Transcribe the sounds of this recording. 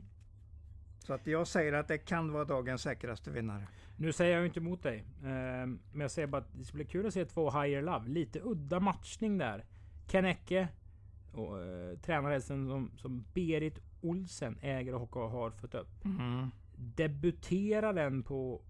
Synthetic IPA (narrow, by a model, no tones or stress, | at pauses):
sɔat̪jɑːɡsɛjːəɾat̪̚d̪ɛkʰanvɑːɾad̪ɑːɡənsːɛːkɾast̪əvɪ̰nːa̰ɾə | nʉ̟ːsɛjːəjajʏnt̪əmʊt̪̚d̪ɛj | mɛnjɑɡsɛjəɾbɑat̪̚d̪ɛskab̪iːkʰʉ̟ːlɔseːt̪ʰvoːɦajəɾlavliːt̪əɵd̪ːamat̪ʂnɪŋd̪æ̰ɾ | kʰɛnɛkːə | ɔt̪ʰɾɛːnaɾhɛlst̪ənsɔmsɔmbeːɾɪt̪ | ʊlsənɛːɡəɾɔhɔkːaɦaɾfœt̪ːɵpː | d̪ɛbɵt̪ʰeːɾad̪ɛnpʰɔ